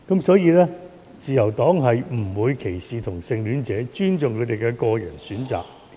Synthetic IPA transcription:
kɐ˨˥msɔː˨˥jiː˧lɛː˥ | t͡siː˨˩jɐ˨˩wt̪ɔː˨˥ŋɦɐ˨jm̩˨˩wuː˨˧jkʰe˨˩jsiː˨t̪ʰʊ˨˩ŋsɪ˧ŋlyː˨˥nt͡sɛː˨˥t͡ʃyː˥nt͡sʊ˨ŋkʰɵ˨˧jt̪e˨jkɛ˧kɔː˧jɐ˨˩nsyː˨˥nt͡sa̰ː˨˩k̚

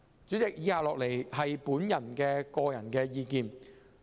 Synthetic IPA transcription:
t͡syː˨˥t͡sɪ˨k̚jiː˨˥haː˧p̚lɔː˨k̚le˨˩jɦɐ˨jpuː˨˥njɐ˨˩nkɛː˧kɔː˧jɐ˨˩nkɛː˧jiː˧kiː˨˧n

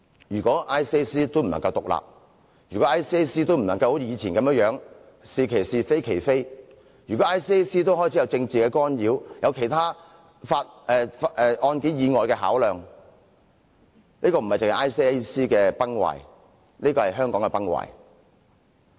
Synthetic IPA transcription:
jyː˨˩kɔː˨˥ʔaː˥jsi˥siː˥t̪o˥wm̩˨˩nɐ̰˨ŋkɐ˧wt̪ʊ˨k̚la̰ː˨p̚ | jyː˨˩kɔ˨˦˥ʔaː˥siː˥e˥siː˥t̪o˥wm̩˨˩nɐ˨ŋkɐ˧who˨˦˥t͡sʰːiː˨˧t͡sʰiː˨˩nkɐ˨˥mjə˥ŋjœː˨˥ŋ | siː˨kʰe˨˩jsiː˨˩fe˥jkʰe˨˩jfe˥j | jyː˨˩kɔ˨˦˥ʔaː˥jsiː˥e˥siː˥t̪o˥wɦɔː˥jt͡sʰi˨˥jwt͡sɪ˧ŋt͡siː˨kɛː˧kɔː˥njiː˨˧wjɐ˨˧wkʰe˨˩jt̪ʰaː˥ | faː˧t̚ʔɛ˨˧fʔɛ˧ʔɔː˧nke˨˥jiː˨˧ŋɔː˨jkɛː˧ɦa̰ː˨˥wlœː˨ŋ | niː˥kɔ˧m̩˨˩hɐ˨jt͡sɪ˨ŋɐ˨˩ʔaː˥jsi˥siː˥kɛː˧pɐ˥ŋwa̰ː˨˩j | niː˥kɔː˧hɐ˨jɦœː˥ŋkɔː˨˥ŋkɛ˧pɐ˥ŋwa̰ː˨˩j

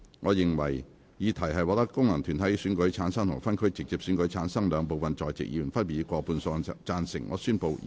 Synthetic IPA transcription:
ŋɔː˨˧jɪ˨ŋwɐ̰˨˩j | jiː˨˧t̪ʰɐ˨˩jɦɐ˨jwɔː˨˧˥t̪ɐ˥kːʊ˥ŋlɐ˨˩ŋt̪ʰyː˨˩nt̪ʰɐ˨˥jsyː˨˥nkɵ˨˥ɥt͡sʰaː˨˥nsɐ˥ŋt̪ʰʊ˨˩ŋfɐ˥nkʰɵ˥ɥt͡sɪ˨k̚t͡siː˨p̚syː˨˥nkɵ˨˥jt͡sʰaː˨˥nsɐ˥ŋlœː˨˧ŋp̬o˨wfɐ˨nt͡sɔː˨jt͡sɪ̰˨k̚jḭː˧˨˩nfɐ˥npiː˨˥kʷɔː˧puː˧nsɔː˧ŋt͡saː˧nsɪ̰˨˩ŋːʔɔ̰ː˨˧syː˥npo˧w

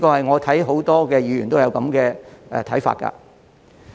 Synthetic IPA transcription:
kɔː˧hɐ˨jŋɔː˨˧t̪ʰɐ˨˥jɦo˨˥wt̪ɔː˥kɛː˧jyː˨˧jyː˨˩nt̪o˥jɐ˨˧wkɐ˨˥mkɛː˧ʔɛ˨˧t̪ʰɐ˨˥jfa̰ː˧t̚kɐ̰˧

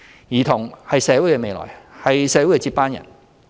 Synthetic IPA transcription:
jiː˨˩t̪ʰʊ˨˩ŋhɐ˨jsɛː˨˧˥wu˨˥jkɛ˧me˨˧jlɔ̰ː˨˩jhɐ˨jsɛː˨˥wu˨˥jkɛ˧t͡si˧pːaː˥njɐ̰˨˩n

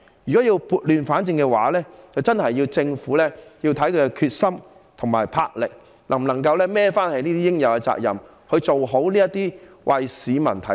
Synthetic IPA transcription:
jy˨˩kɔː˨˥jiː˧wpuː˧t̚lyː˨nfaː˨˥nt͡sɪ˧ŋkɛ˧wa̰ː˨˥lɛː˥t͡sɐ˨wt͡sɐ˥nhɐ˨jːiː˧wt͡sɪ˧ŋfuː˨˥lɛː˥ji˧wt̪ʰɐ˨˥jkʰɵ˧ɛ˧kʰyː˧t̚sɐ˥m | t̪ʰʊ˨˩ŋma̰ː˨˩jpʰaː˧k̚lɪ̰˨k̚ | lɐ˨˩ŋm˨nɐ˨˩ŋkɐ˧wlɛː˥mɛː˥faː˥nhɐ˨niː˥t̪iː˥jɪ˥ŋjɐ˨˧wkɛ˧t͡sa̰ː˧k̚jɐ̰˨˩m | hɵ˨˧ɥt͡so˨wɦo˨˥wliː˥jɐ˥t̪iː˥ | wʔɐ˨jsiː˨˥mɐ˨˩nt̪ʰɐ˨˥˦

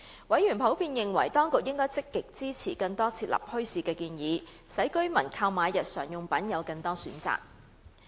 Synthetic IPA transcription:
wɐ˨˥jyː˨˩npʰo˨˥wpʰiː˧njɪ˨ŋwɐ̰˨˩jt̪ɔː˥ŋkʊ˨k̚jɪ˥ŋkɔː˥jt͡sɪ˥kːɪ˨k̚t͡siː˥t͡sʰiː˨˩kɐ˧ŋt̪ɔː˥t͡sʰiː˧t̚lɐ̰˨p̚hɵ˥ɥsiː˨˧kɛː˧kiː˧njiː˨˧ | sɐ˨˥jkɵ˥ɥmɐ˨˩nkʰaː˧wmaː˨˧jɐ˨t̚sœː˨˩ŋjʊ˨ŋpɐ˨˥njɐ˨˧wkɐ˧ŋt̪ɔː˥syː˨˥nt͡sa̰ː˨k̚

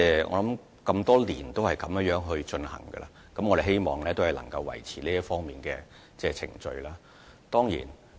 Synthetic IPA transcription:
ɛː˥ʔɔ̰ː˨˧lɐ˨˥m | kɐ˧mt̪ɔː˥liː˨˩nt̪o˥whɐ˨jkɐ˨˦mjŋjœː˨˥ŋɦɵ˧ɥt͡ʃɵ˧nhɐ̰˨˩ŋɡə̰˧la̰ː˧ | kɐ˨˦mŋɔː˨˧ɾe˨ɦe˥jmɔː˨˩ŋlɛː˥t̪o˥whɐ˨jlɐ̰˨˩ŋkɐ˧wːɐ̰˨˩jt͡sʰiː˨˩nliː˥jɐ˥tfɔː˥ŋmiː˨nkɛː˧ | t͡sɛː˥˩t͡sʰɪ̰˨˩ŋt͡ʃɵ̰˧ɥlaː˥ | t̪ɔː˥ŋjḭː˨˩n

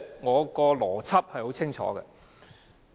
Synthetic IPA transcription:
ŋɔː˨˧kɔː˧lɔː˨˩t͡sʰɐ˥p̚hɐ˨jho˨˥wt͡sʰɪ˥ŋt͡ʃʰɔ̰ː˨˥ɡɛ̰˧

